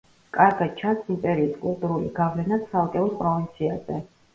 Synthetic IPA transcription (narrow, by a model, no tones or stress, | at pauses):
kʼaɾɡad̪̥̚t͡ʃʰansimp̪ʼɛɾiːskʼulˠt̪ʼuɾuliɡavlɛnat̪sʰalˠkʼɛuspʼɾɔvint̪sʰiaz̥ɛ